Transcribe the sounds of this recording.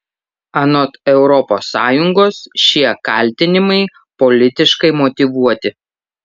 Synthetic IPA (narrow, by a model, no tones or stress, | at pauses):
ɐnɔt̪ɛʊɾɔpoːsːɑːjʊŋɡoːsʃʲiɛkɐlʲt̪ʲɪnʲɪmɐɪ | pɔlʲɪt̪ʲɪʃkɐɪmɔt̪ʲɪʋuɔt̪ʲɪ